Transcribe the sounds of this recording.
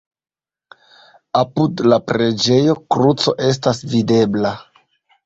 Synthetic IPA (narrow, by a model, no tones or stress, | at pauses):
apudlapɾe̞d͡ʒe̞jo̞kɾut͡so̞̰ʔe̞s̬tasvide̞bla